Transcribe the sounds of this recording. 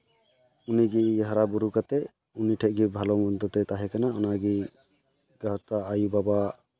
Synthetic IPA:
uniɡiɦaɾabuɾukat̪ɛʔ | uniʈʰɛʔ̚ɡibʱalɔmɔnt̪ɔt̪ɛt̪aɦɛkanaɔnaɡi | ɡaɦɔt̪aʔajubaba

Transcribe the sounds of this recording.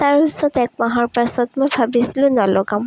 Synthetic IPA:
taɹisɔtɛk̚maɦɔɹpasɔtmojbʱabisilʊ̃nɔlɔɡam

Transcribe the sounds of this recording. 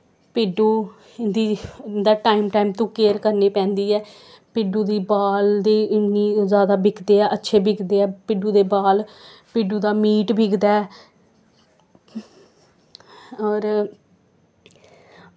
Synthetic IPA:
pɪːɖuː | d̪iːd̪aːʈaːimʈaːimt̪õːkeːɾkəɾneːpɛ̃ːnd̪iːɛː | pɪɖuːd̪iːbaːld̪eːnĩːzjaːd̪aːbɪkd̪eːɛːʔətːʃʰeːbɪkd̪eːɛːpɪɖuːd̪eːbaːlpɪɖuːd̪aːmiːʈbʱɪkd̪aːɛː | ɔːɾ

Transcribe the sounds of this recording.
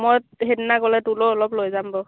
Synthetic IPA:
mɔjtɦednakɔlɛtulɔɔlɔplojzambɔ

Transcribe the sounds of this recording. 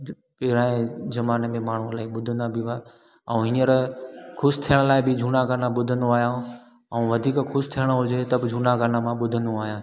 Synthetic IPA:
pɪːɾãːẽzɐmaːnemẽmaːɳ̤ulaːiɓʊd̪ʱənd̪abʱɪʋa | ɛũɦɪnəɾkʰʊst̪ʰijəɽ̃əlaːɪbʱɪd͡ʒʱuːɽaɡaːnãɓʊd̪ʱənd̪oaːɦjã | ɛ̃ũːʋɐd̪ʱiːkkʰʊʃt̪ʰijəɽ̃əɦʊd͡ʑet̪ɐbɪd͡ʑʱuːnaɡaːnamãɓʊd̪ʱənd̪oaːɦijãː

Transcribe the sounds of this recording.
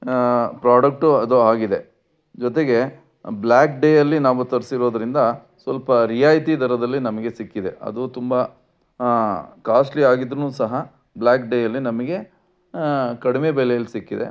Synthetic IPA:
pɾaːɖɐk̚ʈuɐd̪uaːɡid̪e̞ | d͡ʒɔt̪eɡe̞ | blaːkɖeːjɐlːinaːʋut̪ɐɾsiɾoːd̪ɐɾind̪ɐ | sʋɐlpɐɾijaːjt̪id̪ʱɐɾɐd̪ɐlːinɐmɐɡe̞sikːid̪e̞ɐ̰d̪ut̪umbɐ | kaːsʈliaːɡid̪ɾunuːsɐɦɐ | blaːkɖeːjɐlːinɐmɐɡe̞ | kɐɽime̞bɛlɛjɐlːisikːid̪e̞̰

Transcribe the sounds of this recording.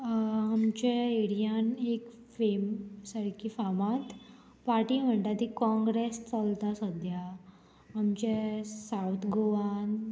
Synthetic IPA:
amt͡ɕeeɽijanek | femsəɾkifamat̪ | paɾʈiːm̤əɳʈ̪at̪ikɔ̃ŋɡɾest͡səlt̪asəd̪ʱja | amt͡ɕesawt̪ʰɡoʋan

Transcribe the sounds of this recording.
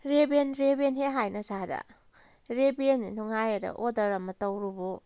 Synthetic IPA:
ɾebenɾebenɦeɦajnɐsaɾɐ̰ | ɾebeninɔŋajɐɾɐ̰ʔodɐɾamɐtɐwɾubo

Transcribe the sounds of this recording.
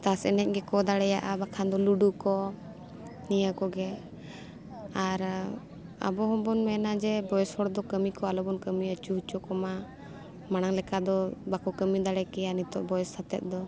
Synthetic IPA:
t̪asɛ̰nɛc̚ɡɛkɔd̪aɽɛjaʔabakʰand̪ɔluɖukɔ | nijakɔɡɛ | aɾ | a̰bɔɦɔmbɔnmɛnad͡ʒɛbɔjɛshɔɽd̪ɔkəmikɔalɔbɔnkəmiət͡ʃuɦut͡ʃɔkɔma | mañaŋlɛkad̪ɔbakɔkəmid̪aɽɛkɛjanit̪ɔ̰ʔbɔjɛsːat̪ɛ̰t̪̚d̪ɔ

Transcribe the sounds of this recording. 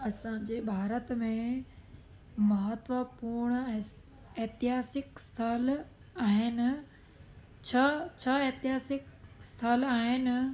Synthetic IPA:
ɐsãd͡ʑeːbʱaːɾət̪mẽ | mɐɦət̪ʋəpuɾɳ̃ɛ̃ | eɦt̪ɪɦaːsɪkst̪ʰal | aːɦɪnɪ̆ | t͡ɕʰat͡ɕʰɐeːt̪ɪɦaːsɪkst̪ʰəlaːɦɪnɪ̆

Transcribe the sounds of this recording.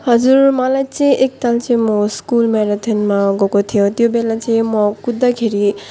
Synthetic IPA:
ɦʌd͡zuɾmʌlajt͡saĩʔek̚t̪alt͡saĩmoskulmeɾat̪ʰenmaɡokot̪ʰijot̪jobelat͡saĩmʌkud̪ːakʰeɾi

